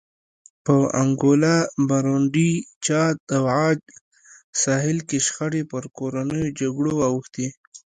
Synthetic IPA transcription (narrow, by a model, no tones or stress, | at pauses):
pəa̰ŋɡolabaɾoɳɖit͡ʃɑt̪̚awʕɑd͡ʒ | sɑɦɪlkeʃxaɽepəɾkoɾanəjod͡ʒaɡɽowɑwəxt̪i